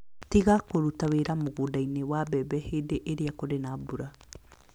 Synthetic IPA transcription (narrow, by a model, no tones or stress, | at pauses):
tiɣakoɾutaweɾamoɣodainewabɛbɛheːdeʔeɾeakoɾenabuɾa